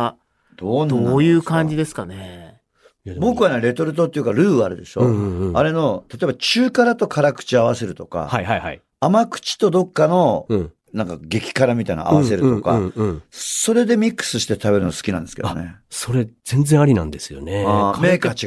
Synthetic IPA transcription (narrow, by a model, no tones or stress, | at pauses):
d̪̥oːnd̪oajɯːkãɲd͡ʑid̪e̞sɨ̥kane | bo̞kɯ̟βaneɾe̞t̪o̞ɾɯ̟t̪̬ot̪ːeiɯ̟kaɾɯ̟ːɯaɾɯ̟d̪e̞ɕo̞aɾe̞no̞t̪at̪o̞e̞bat͡ɕɨːkaɾat̪o̞kʰaɾakɯ̟̥t͡ɕiaβ̞ase̞ɾɯ̟t̪o̞ka̰haihaihaiː | makɯ̟̥t͡ɕi̥t̪o̞d̪o̞kːano̞ | nãŋkaɡe̞kʲi̥kaɾamʲit̪aḭna̰a̰βase̞ɾɯt̪o̞ka̰ | so̞ɾe̞d̪e̞mʲikːɯ̥sɨɕi̥t̪et̪abe̞ɾɯ̟noasɨ̥kʲinã̰nd̪esɨ̥kḛo̰ne̞so̞ɾe̞z̥ẽ̞nd͡zẽaɾʲinã̰nd̪e̞sɨjo̰neameːkat͡ɕi